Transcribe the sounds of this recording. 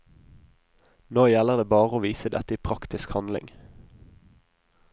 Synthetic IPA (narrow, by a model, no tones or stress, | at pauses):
noːjɛləʁd̪eːbɑːʁəoːʋiːsəd̪ɛt̪əiːpʰʁɑkt̪ɪskhɑnd̪lɪ̰ŋ